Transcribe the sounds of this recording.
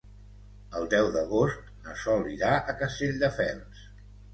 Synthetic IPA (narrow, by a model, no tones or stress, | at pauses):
əlˠd̪ɛwðəɣost̪̚nəsɔlˠiɾaʔəkəst̪eʎʲd̪əfɛls